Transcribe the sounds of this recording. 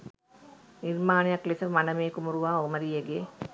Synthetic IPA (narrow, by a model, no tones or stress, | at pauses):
nirmaːnejaklisəmanəmeːkumuɾuʋaːoməɾijeɡeː